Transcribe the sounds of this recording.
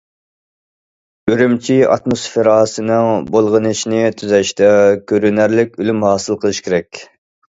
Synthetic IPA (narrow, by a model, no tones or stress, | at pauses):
øɾymt͡ʃʰiɑ̰t̪mosfeɾɑːsɨnɨŋbolˠʁənɨʃinɪt̪ʰyzɛʃt̪ɛkʲʰøɾynæɾlɪkʲylymhɑːsɨlˠqʰəlˠɨʃkʲeɾɛkʲ